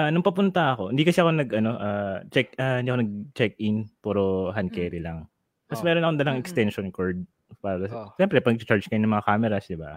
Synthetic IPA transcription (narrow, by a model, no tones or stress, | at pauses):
ʔanɐŋpɐpʊnt̪ɐɐko̞ʔɪnd̪ikɐsɛɐko̞nɐɡʔɐno̞ʔaːt͡ʃɛk̚aːhɪnd̪iːʔkonɐɡ̚t͡ʃɛk̚ʔɪnpuɾoɦɐnkɛːɾɪlɐŋ | mɐsmɛːɾonɐkoŋd̪ɐlaŋɛkst̪ɛnʃonkoɹd̪̚ | paːɾɐʃɛmpɾɛpɐɡ̚t͡ʃt͡ʃaɹd͡ʒkɐjonɐŋmɐŋakaːmɛɾɐsd̪ɪba